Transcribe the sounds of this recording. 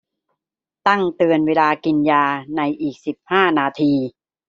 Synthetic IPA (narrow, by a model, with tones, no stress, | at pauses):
t̪a˥˩ŋt̪ɯ˧ənweː˧laː˧ki˧njaː˧na˧jʔiː˨˩k̚si˨˩p̚haː˥˩naː˧t̪ʰiː˧